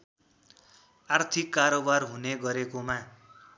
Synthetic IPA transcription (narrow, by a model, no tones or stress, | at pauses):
art̪ʰikːaɾobarɦuneɡʌɾekomã